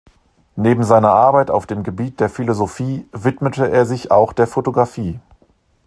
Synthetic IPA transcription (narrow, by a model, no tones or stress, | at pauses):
neːbm̩zaɪnɐʔaɐbaɪta̰ʊfd̥eːmɡəbiːt̚d̥eːɐfilozofiːvɪtmətəeːɐzɪçaʊxd̥eːɐfotoɡʁafiː